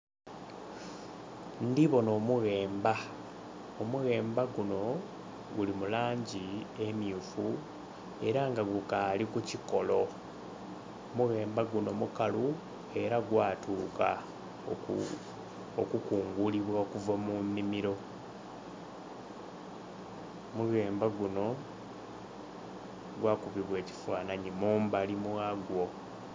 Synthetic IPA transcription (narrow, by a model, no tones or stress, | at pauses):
ndiβo̞no̞ːmuɣe̞ːmba | omuɣe̞ːmbaɡuno̞ | ɡulimulaːɲɟie̞mjufu | e̞ɾaŋɡaɡukalikuciko̞lo̞ | omuɣe̞ːmbaɡuno̞mukalu | e̞ɾaɡwaːtʰuːka | okukuːŋɡuliβwakuvamumːimiɾo̞ | muɣe̞ːmbaɡuno̞ | ɡwaːkuβiβwe̞ːci̥faːnaɲimuːmbalimwaɡwo̞